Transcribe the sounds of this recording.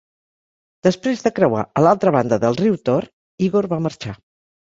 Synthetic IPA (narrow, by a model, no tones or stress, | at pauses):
d̪̥əspɾezðəkɾəwa̰əlalˠt̪ɾəβ̞and̪əðəlˠriwt̪or | iɣoɾβaməɾt͡ʃa